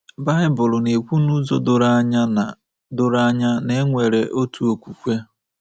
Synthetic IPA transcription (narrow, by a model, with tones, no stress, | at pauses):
ba˦ɪ˦bʊ˨lʊ˨ne˨kʷu˦nu˦zo̰˨dʊ˨ɾa˦ɲa˦na˨ | dʊ˨ɾa˦ɲa˦ne˦ŋʷe˨ɾe˨ʔo˦tu˦o˨kʷu˨kʷe˦